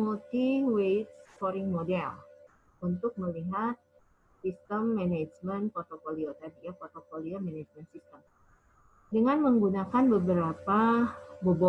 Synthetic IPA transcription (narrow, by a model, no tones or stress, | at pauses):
mult̪iwet̪̚sfoɾɪŋmodɛ̰l | unt̪ʊk̚məliɦat̪̚ | sist̪əmːɛned͡ʒmənpɔrt̪opoliot̪adijapɔrt̪opoliomɛned͡ʒmənsist̪əm | dəŋanməŋɡunakanbəbəɾapabobɔ